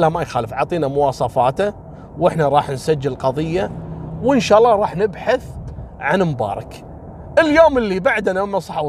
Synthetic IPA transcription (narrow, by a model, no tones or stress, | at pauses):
lamajxaːləfʕɑ̰ʕt̪ˤiːnamʊwɑːsˤɑfɑːt̪a | wɪħnaɾˤɑːħnsad͡ʒːɪllqɑðˤɨjːawɪnʃaːʔlːɑɾˤɑːħnɪbħaθʕanmbɑ̰ːɾˤɑ̰k | ʔɪljoːməlːibaʕd̪namɪmːasˤɑħa